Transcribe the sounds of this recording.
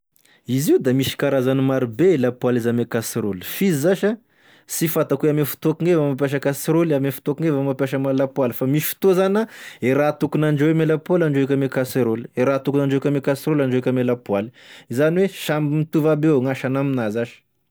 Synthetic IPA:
iziud̪amiʃi̥kaɾazanimaɾibeelapwalizanekasiɾoli̥fizizaʃa | sifat̪akueamefu̥t̪uokiŋevamap̬jaʃ̬əkasiɾolamefu̥t̪oakiŋevamapjaʃəmalapwalfamiʃi̥fi̥t̪ozanaeɾat̪ukunaɳɖ͡ʐewemelapwalaɳɖ͡ʐeekʲamekaseɾoli̥eɾat̪ukunaɳɖ͡ʐokʲamekasiɾolaɳɖ͡ʐoekʲamelapwaliizaniweʃambimit̪uvabeŋaʃanaminazaʃə̥

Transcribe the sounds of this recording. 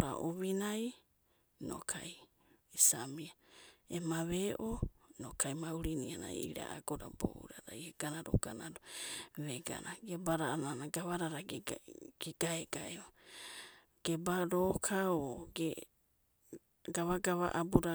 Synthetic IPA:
ɾa̰ʔoβinaj | no̰kʰa̰j | isamiaemaβeʔonokʰajmauɾiniana̰jiɾa̰aɡoɾa̰bo̰ṵɾaɾajeɡ̥anaɾo̰ɡ̥anaɾoβeɡa̰naɡebaɾananaɡaβaɾaɾa | ɡ̥eɡ̥aeɡaeo | ɡ̥ebaɾokʰaoɡe | ɡaβaɡaβa̰ʔabuɾa

